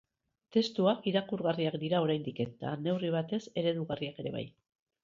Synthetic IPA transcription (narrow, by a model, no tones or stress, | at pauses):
t̪e̞st̪uakiɾakuɾɣariakd̪iɾao̞ɾajnd̪ike̞t̪a̰ne̞wriβ̞at̪e̞se̞ɾe̞ðuɣariake̞ɾe̞βa̰j